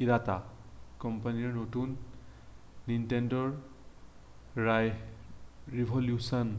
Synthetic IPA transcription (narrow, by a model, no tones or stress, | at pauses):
iɾatakɔmpaniɹnotunː | intɛndɔɹ | ɹaj | ɹibʱɔljusɔn